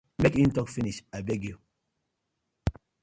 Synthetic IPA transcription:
mekĩntɔkfiniʃabeɡu

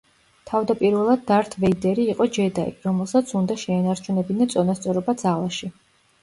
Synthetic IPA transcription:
t̪ʰavd̪apʼiɾvɛlˠad̪ːaɾt̪ʰvɛid̪ɛɾiːqʼɔd͡ʒɛd̪aḭɾɔmɛlˠsat̪sʰund̪aʃɛːnaɾt͡ʃʰunɛbinat̪sʼɔnast̪sʼɔɾɔbad̪zalˠaʃi

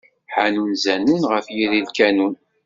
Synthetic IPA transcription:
ħanunzænunʁəfjiðilkænun

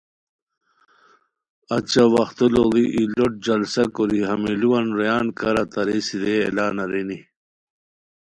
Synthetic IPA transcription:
ɐt͡ɕawɐxt̪uloliʔiloʈ̚d͡ʑɐlsɐkoɾiɦɐmiluwɐnɾejaːnkɐɾat̪ɐɾesideḛlaːnɐɾeni

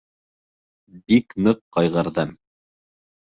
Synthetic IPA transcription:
biknɤqːɑjʁɤ̆ɾðɤm

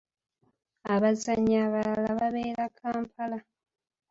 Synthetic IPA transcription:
aβazaɲaβalalaβaβeːɾakʰaːmpʰala

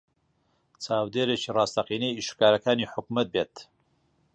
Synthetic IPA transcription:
t͡sʰaːwd̪eːɾet͡ʃiːrɑːst̪ɐqiːnejiʃkaːɾɐkaːniːħʊkmɐt̪̚beːt̪

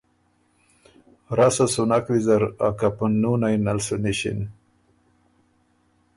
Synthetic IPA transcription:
ɾasasunakwizaɾa̰kapunːunajnalsuniɕḭn

